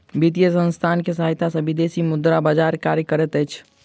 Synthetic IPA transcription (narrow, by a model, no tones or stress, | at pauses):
bit̪ijəsə̃nst̪ʰaːnkesəɦaɪt̪asə̃bɪd̪eːsimʊd̪ɾabad͡ʒaːɾkaːɾjəkəɾɛt̪ɛjt͡ʃʰ